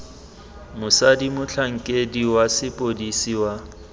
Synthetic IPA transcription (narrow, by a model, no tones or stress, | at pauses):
mʊsadimʊt͡ɬʰaŋ̩kʼediwasɪpʼodisiwa